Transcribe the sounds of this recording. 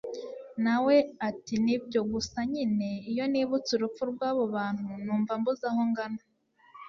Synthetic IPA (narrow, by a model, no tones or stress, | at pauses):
nawe̞atinibjo̞ɡusaɲine̞ijo̞niːβut͡suɾup͡fuɾɡwaːβo̞βaːn̥hunuːɱvambuzaho̞ŋɡana